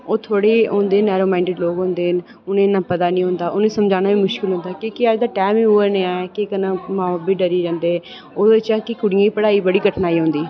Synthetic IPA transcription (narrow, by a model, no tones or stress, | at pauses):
oːt̪ʰoːɽeːõːnd̪eːnɛːɾoːmaːɪ̃ɳɖeɖloːɡɦʊ̃nd̪eːn | ʊnẽːnːãːpət̪aːnĩːɦʊ̃nd̪aːʔʊñːsəmd͡ʒaːnaːʋiːmʊʃkɪlɦʊ̃nd̪aːkõːkɪəd͡ʒd̪aːʈɛːmĩːoːeneaːɛkekənãːmãːbiːɖəɾiːd͡ʒãːnd̪eːɛː | oːd̪ɪt͡ʃɛːkɪkʊɽijãːipəɽaːiːbəɽiːɡəʈʰnaːiːɦʊ̃nd̪iː